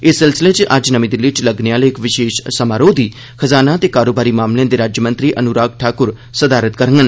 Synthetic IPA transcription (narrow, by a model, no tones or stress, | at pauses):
esɪlsɪlet͡ʃʔad͡ʒnɐʋĩd̪ɪlːiʈlɐɡnejaːleekʋɪʃeːʃsɐmaːɾoːd̪ʱi | xʰɐzaːnat̪ekaːɾoːbaːɾimaːmleãd̪eɾaːd͡ʒjəmə̃nt̪ɾiʔɐnuɾaːɡ̚ʈʰaːkʊɾ | sɐd̪aːɾət̪kɐɾəŋɡən